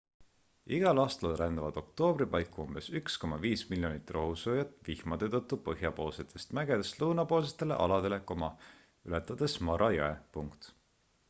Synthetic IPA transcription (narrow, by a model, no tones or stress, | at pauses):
iɡ̥ɑlɑːst̪ɑlrænd̪ɑvɑd̪̥o̞kt̪o̞ːb̥ripɑjkːˑuumb̥e̞syksko̞mɑviːsmiljo̞nit̪ːˑrɑɦusoːjɑt̪ːˑvihmɑd̪̥et̪ɤt̪ːupɤɦjɑpo̞ːlset̪ʰˑːe̞̥st̪mæɡe̞d̪̥est̪luːnɑpo̞ːlset̪ːˑe̞leʔɑlɑd̪e̞le̞komɑ | ylet̪ːˑɑd̪̥e̞smɑɾɑjɑ̰epuŋkt̪